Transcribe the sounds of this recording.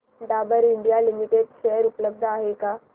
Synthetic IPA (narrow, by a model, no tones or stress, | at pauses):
ɖ̪abəɾiɳɖijalimiʈeɖʃeɦəɾupləb̚d̪ʱaɦeka